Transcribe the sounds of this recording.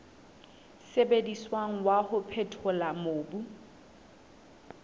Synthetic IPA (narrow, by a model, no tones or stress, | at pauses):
sebediswaŋ̩wahʊpʰetʰʊlamoːbu